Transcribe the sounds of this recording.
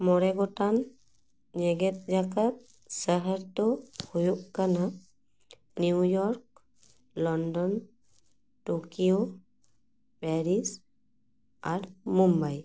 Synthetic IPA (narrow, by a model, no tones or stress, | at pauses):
mɔɾɛɡɔtan | ɲɛɡɛt̪̚zakat̪̚ | səɦəɾt̪ɔhujuk̚kana | niujɔɾk̚ | lɔndɔn | tokio | pɛɾis | aɾmumbaj